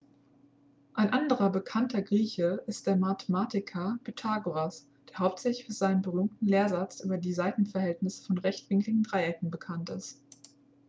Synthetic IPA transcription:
ʔaɪnʔandəʁɐbəkʰantʰɐɡʁiːçəʔɪst̚d̥eːɐmatʰəmaːtɪkʰɐpytʰaːɡoas | d̥eːɐɦaʊp̚tz̥ɛçlɪçbɪz̥aɪnəmbəʁyːmtn̩leːɐzat͡sʔy̰ːbɐdiːzaɪtn̩fɛɐɦɛltnɪsə̥fɔnʁɛçtv̥ɪŋklɪɡŋ̩dʁaɪʔɛkŋ̩bəkʰantɪst

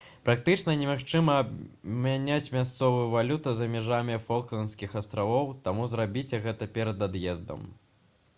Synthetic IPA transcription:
pɾak̚t̪ɨt͡ʂnɐnʲɛmaxt͡ʂɨmɐːbmʲanʲat͡sʲmʲast̪sɔvɨjuvalʲut̪ɐzɐmʲɛʐamʲifɔlˠklʲˠɐnskʲixɐst̪ɾavɔwt̪amuzɾabʲit͡sʲɛɣɛt̪ɐpʲɛɾɐd̪ad̪jɛzd̪ɐ̰m

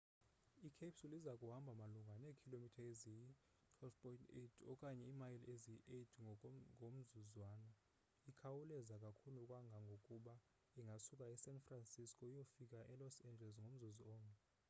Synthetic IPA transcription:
ikʰepsulizakʼuɦambʱamaluŋɡʱaneːkʰilomitʰaezij | tʰwɛlfpʰʼɔintʰetʰɔkʼaɲɛimajileziiʔedʰŋʱom̩zuzwaːnɔ | ikʰawulɛzakʼakʰulukʼwaŋɡʱaŋɡʱokʼuɓa | iŋɡʱasukʼaɛsɛnfransiskʰʼɔijofikʼaʔɛlɔsɛnd͡ʒʱɛls̬ŋʱom̩zuziɔːŋɛ

